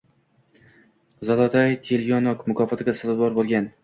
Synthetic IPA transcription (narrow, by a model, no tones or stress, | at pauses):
zɒlˠat̪ʰajt̪ʰelˠjɒnɒkmʊkʰɒfɒt̪ʰaɡʲasalad̪wɒɾbolˠɡʲan